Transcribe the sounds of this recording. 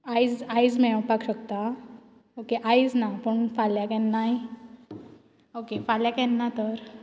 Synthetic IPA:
ajd͡zajd͡zmɛ̃pakɕəkt̪a | okeʔajid͡znapəɳfaljakɛ̃nːaj | okefaljakɛ̃nːat̪əɾ

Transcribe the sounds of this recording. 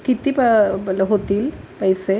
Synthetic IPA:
kit̪iplɐɦot̪iːlpɐjse

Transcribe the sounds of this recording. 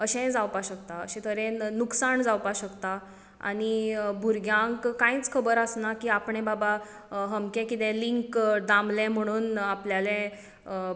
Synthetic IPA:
əɕɛ̃d͡zawpaɕəkt̪aə̰ɕɛ̃t̪ʰəɾɛ̃nuksaɳd͡zawpaɕəkt̪a | a̰nibʱuɾɡjãŋkkːãĩt͡skʰəbəɾəsnakiːapɳɛ̃baba | ɦəmkɛ̃kit̪ɛ̃liŋkd̪amlɛ̃m̤əɽ̃uːnapljalɛ̃

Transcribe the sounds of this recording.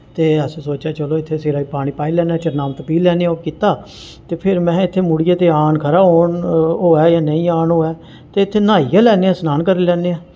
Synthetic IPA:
t̪eːəsːsoːt͡ʃaːt͡ʃəloːɪt̪ʰːeːseɾaːiːpaːɽ̃iːpaːilɛːnaːt͡ʃəɾnaːmt̪əpiːlɛːneaoːkiːt̪aː | t̪eːpʰɪɾmɛ̃ːɪt̪ʰːeːmʊɽɪjeːt̪eːaːɳkʰəɾaːɦoːnɦoːɛːjaːnəĩːaːnɦoːɛː | t̪eːɪt̪ʰːeːnaːijaːlɛːneːãːsənaːnkəɾilɛːneːãː

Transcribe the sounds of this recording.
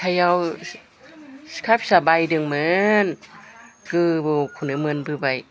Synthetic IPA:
kʰajaw | kʰap̚sabajdɯŋmɯn | kɯːbokʰunɯmɯnbɯbaj

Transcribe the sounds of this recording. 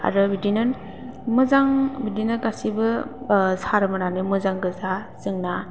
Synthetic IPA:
a̰ɾɯbidinɯn | mɯzaŋbidinɯɡasibɯsaɾɯmɯnanɯmɯzaŋɡɯzazɯŋna

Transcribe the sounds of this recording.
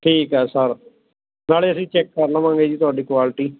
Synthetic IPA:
ʈʰiːkɦɛːsəɾ | naːleːəsĩːt͡ʃɛːkːəɾləʋãːŋɡeːd͡ʒiːt̪ʊaːɖiːkwaːlɪʈiː

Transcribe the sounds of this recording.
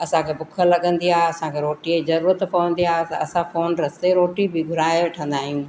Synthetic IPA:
ɐsãkʰeːbʊkʰəlɐɠə̃nd̪iaːɦeɐsãkʰeɾoːʈiezɐɾuːɾət̪pɐʋə̃nd̪iaːɦeɐsãfoːnɾɐst̪eɾoːʈibɪɡʱʊɾaːeʋɐʈʰə̃nd̪aːɦijũː

